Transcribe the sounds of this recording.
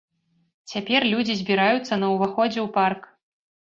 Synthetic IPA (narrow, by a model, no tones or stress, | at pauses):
t͡sʲapʲɛrlʲud͡zʲizʲbʲiɾajut̪sːɐnɐwvaxɔd͡zʲɛwpark